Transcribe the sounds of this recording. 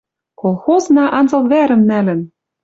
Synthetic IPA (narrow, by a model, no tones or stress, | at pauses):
kolˠxoznɑʔɑnzɤ̆lβæɾɘ̆mnælɘ̆n